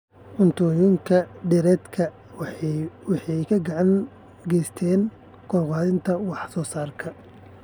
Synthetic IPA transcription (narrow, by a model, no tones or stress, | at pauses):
ʔʊnt̪ʰɔːjʊŋkʰɐɖɪɾɛːd̪kʰɐ | wɑħɛjkʰɐɡɑʕɑŋ | ɡɛjst̪ʰɛːn | kʰɔrqɑːðɪnt̪ʰɐwɑħsɔːsaːrkʰɐ